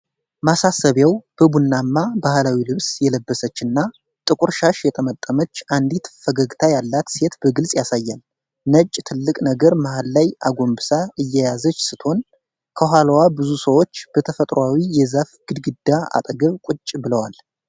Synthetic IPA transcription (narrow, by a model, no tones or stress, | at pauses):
masasəβjawb̥əbunːamːabahlawilɨβsjɛləbːəsət͡ʃːɨnːa | t̪ʼɨkʼuɾʃaʃjɛt̪ʰəmət̪ʼːəmət͡ʃːand̪it̪fəɡəɡt̪ʰajalːat̪se̞t̪bəɡɨlsʼjasajːal | nət͡ʃʼt̪ʰɨlːɨkʼnəɡəɾmahalːajʔaɡo̞mbɨsaɨjːɛjazət͡ʃːsɨt̪ho̞n | kʰəɦʷalwabɨzusəwot͡ʃːb̥ət̪ʰəfət̪ʼɾʔowawijɛzafɡ̥ɨd̪ɡɨd̪ːaa̰t̪ʼɡəβkʷʼʊt͡ʃʼːbɨləwal